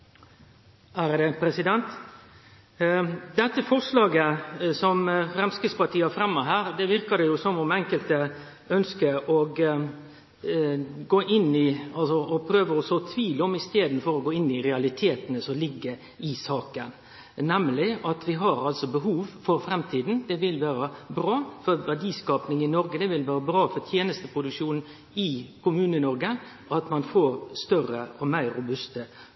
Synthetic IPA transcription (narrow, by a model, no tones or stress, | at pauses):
æɾd̪ɛpʰɾɛsɪd̪ɛnt̪ | d̪ɛt̪ːəfɔɾʂlɑːɡəsɔmfɾɛmskɾɪspɑt̪ʰiːəæfɾɛmːəɦæːɾd̪ɛʋɪɾkɑd̪ɛjʊsɔmɔmɛŋkəlt̪ə | œnskəʔɔɡ | ɡoːʔɪnːɪɑlsɔɔpʰɾøːʋəɔsɔt̪ʰʋiːləɔmɪst̪eːd̪nfɔɾɔɡoːɪnːɪɾɛɑlɪt̪ʰeːt̪ənəsɔmlɪɡːə | ɪsɑːkən | nɛmlɪɑt̪ʋɪɦɑɾɑlsɔbəɦuːʋfɔɾfɾɛmt̪ʰiːd̪n̩d̪ɛʋɪlʋæːɾəbɾɑːfɔɾʋæɖiːskɑːpnɪŋɪnɔɾɡəd̪ɛʋɪlʋæːɾəbɾɑːfɔɾt̪ʰjeːnəst̪əpʰɾʊd̪ʉkʂuːnn̩ | ɪkʊmʉːnənɔɾɡə | ʔɑt̪mɑnfoːɾst̪œrəɔmæɪɾʊbʉst̪ə